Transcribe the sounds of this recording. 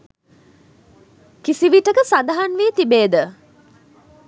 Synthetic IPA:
kisiʋiʈəkəsad̪aɦanʋiːt̪ibeːd̪ə

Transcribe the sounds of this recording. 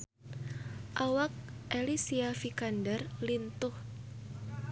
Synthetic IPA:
ʔawak̚ʔelisiafikandɛrlint̪ʊh

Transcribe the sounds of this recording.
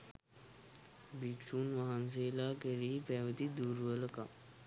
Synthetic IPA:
bikʂuːnʋaɦans̬eːlaːkeɾiːpɛʋət̪id̪uːɾʋələka

